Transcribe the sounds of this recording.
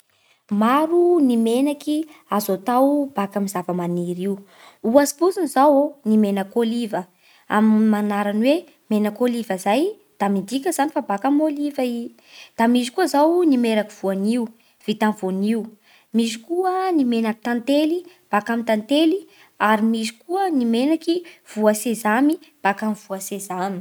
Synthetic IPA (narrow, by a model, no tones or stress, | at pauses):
maɾunimenakiazot̪awb̥akamizavəmaniɾiu | uazi̥puzinizawonimenakolivə | a̰mimanaɾanwe | menakolivəzaj | d̪̥amid̪ikʲəzanifabakamolivai | d̪̥amizikuəzawnimeɾakiv̥uaniu | v̥it̪anv̥oniu | mizi̥kuənimenaki̥t̪ant̪eli | b̥akamint̪ant̪eli | aɾimizi̥kuənimenakiv̥uasezamib̥akamiv̥uasezami̥